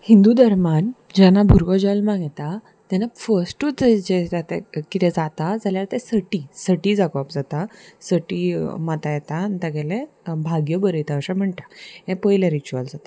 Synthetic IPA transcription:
hind̪ud̪əɾman | d͡ʑanabʱuɾkɔd͡ʑɔlmãɡɛt̪a | t̪anafəsʈut͡sd͡ʑed͡zat̪ɛkit̪ɛ̃d͡zat̪ad͡zaljaɾt̪ɛsəʈisəʈid͡zakɔapd͡zat̪asəʈimat̪ajɛt̪ant̪aɡɛlebʱaɡjəbəɾəjt̪aəɕãm̤əɳʈ̪aɛ̃pəjlaɾit͡ɕuald͡zat̪ḁ

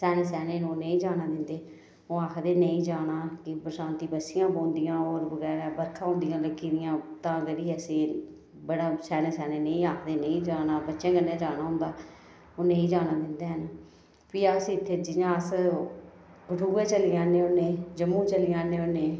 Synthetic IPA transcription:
sɛːneːsɛːneːnũːnəĩːd͡ʒaːnaːd̪ɪnd̪eː | õːaːkʰd̪eːnəĩːd͡ʒaːɽ̃aːkɪpɾsãːnt̪iːbəsɪjãːbõːnd̪ɪjãːoːɾbəɡɛːɾaːbəɾkʰãːɦʊ̃nd̪ɪjãːləkːiːd̪ɪjãːt̪ãːkəɾiːəsẽː | bəɽaːsɛːneːsɛːneːnəĩːaːkʰd̪eːnəĩːd͡ʒaːnaːbətːʃãːɡənːẽːd͡ʒaːnãːɦʊ̃nd̪aː | oːnə̃ĩːd͡ʒaːnaːd̪ɪnd̪eːɦən | piːasiːɪt̪ʰːeːd͡ʒɪɲãːəs | kəʈʰuːẽːt͡ʃəlijãːnẽːʊnːẽːd͡ʒəmːũːt͡ʃəlɪjãːnẽːʊnːeː

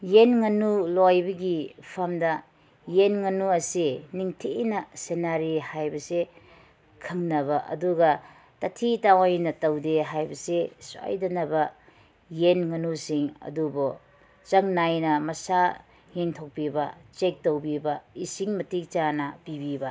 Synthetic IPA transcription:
jenŋɐnulojbɐɡipʰɐmdɐ | jenŋɐnuɐsiniŋtʰenɐsenaɾihajbɐse | kʰɐŋnɐβɐʔɐ̰duɡɐ | tɐtʰitawajnɐtɐwdeɦajbɐseso̰jdɐnɐbɐ | jenŋɐnusiŋɐ̰dubo | t͡ʃɐŋnajnɐmɐsa | ŋeŋtʰok̚pibɐt͡ʃek̚tɐwbibɐisiŋmɐtik̚t͡ʃanɐpibibɐ

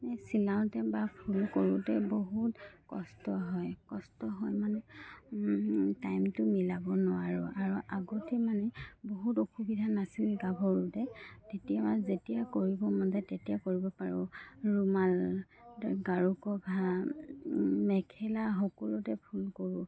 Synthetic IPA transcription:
nɛsilaʊ̃tɛbapʰulkoɹutɛboɦutkɔstɔɦɔjkɔstɔɦɔjmanɛ | tajmtʊmilabɔnʊwaɹʊʔaɹuʔaɡɔtɛmanɛboɦutoxubidʱanasilɡabʱɔɹutɛtetijamazetijakoɹibɔmandɛtetijakoɹibɔpaɹʊɹumal | ɡaɹukɔbʱa | mɛkʰɛlaɦɔkɔlɔtɛpʰulkoɹʊ

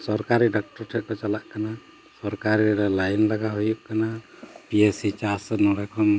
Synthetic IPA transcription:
sɔɾkaɾiɖɔk̚ʈɔɾʈʰɛʔ̚kɔt͡ʃɔlaʔkana | sɔɾkaɾiɾɔlajnlaɡaɦujuʔkanapiesit͡ʃasɔnɔɾɛkʰɔm

